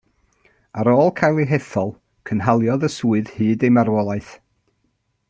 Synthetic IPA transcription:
aɾoːlˠkʰajlˠiɦɛθɔlˠ | kʰənɦalˠjɔðəsuːɨðhɨːdejmarwɔlˠaɨθ

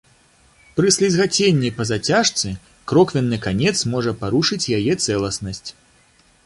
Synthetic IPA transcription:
pɾɨsʲlʲizɣat͡sʲenʲːɐjpɐzat͡sʲaʂt̪sɨ | kɾɔkvʲɛnːɨkanʲɛt̪smɔʐɐpaɾuʂɨt͡sʲjajɛt̪sɛlˠɐsnɐsʲt͡sʲ

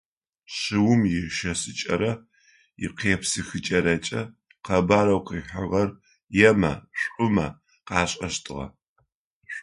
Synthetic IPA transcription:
ɕɪwʊmjɪʃɐsɨt͡ʃʼɐ̰ɾɐ | jɪqeːpsɨxɨt͡ʃʼɐɾɐt͡ʃʼɐ | qɐbaːɾɐwqiːħʷɐʁɐr | jɛmɐ̰ɕʷʼʊmɐ̰ | qɑːɕʼɐʃtʰɨʁɐ̰

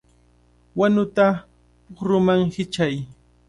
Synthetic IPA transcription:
wanʊt̪a | pʊχɾʊmaŋhɪt͡ʃaj

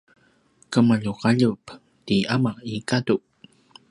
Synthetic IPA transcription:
kəmaʎuqaʎup | tiamaʔikaduʔ

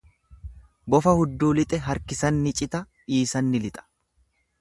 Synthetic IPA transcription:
bɔfɐhʊd̪ːuːlɪt̪ʼɛɦɐɾkɪsɐnːɪt͡ʃʼɪt̪ɐ | iːsɐnːɪlɪt̪ʼɐ̥

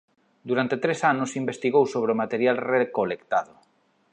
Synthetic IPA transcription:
d̪uɾant̪et̪ɾesanʊsimbest̪iɣowsoβɾeomat̪eɾjalrekolekt̪aðʊ

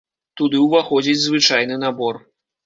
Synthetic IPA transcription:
t̪ud̪ɨwvaxɔd͡zʲid͡zʲzvɨt͡ʂajnɨnabɔr

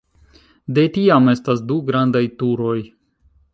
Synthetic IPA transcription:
de̞tiame̞stasduɡɾandajtuɾo̞j

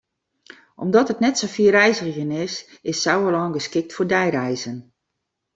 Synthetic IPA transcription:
ʔɔ̰mdɔtətnɛtsofiərɛjzərjənɪsɪsːawəlɔŋɡəskɪk̚tfoɹdɛjrɛjzən

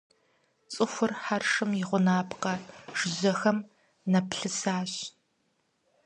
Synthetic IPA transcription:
t͡sʼɨxʷʊrħarʂɨmjɪʁʷʊnaːpʰqɐʒ̥ɪʑɐxɐm | nɐpɬɨsaːɕ

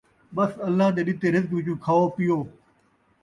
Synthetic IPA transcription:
ɓəsəlːaːd̪eːɗɪt̪eːɾɪzkʋɪt͡ʃũːkʰaːoːpɪjoː

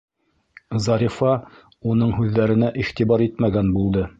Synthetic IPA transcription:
zɑɾʲifɑ | unɤɴɦʉðːæɾɘ̆næʔiχt̪iβɑɾit̪mæɡænbulˠd̪ɤ

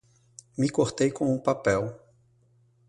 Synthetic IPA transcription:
mɪkoɾt̪ejkõũpapɛw

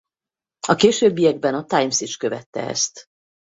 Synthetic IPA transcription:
ɒkeːʃøːbːijɛɡ̚bɛnɒt̪ajmsit͡ʃkø̞vɛt̪ːɛ̰ɛ̰st̪

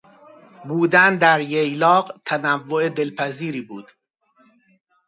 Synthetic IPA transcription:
buːd̪ænd̪æɾjejlɒːɢt̪ʰænævːoed̪e̞lpʰæziːɾiːbuːd̪̥

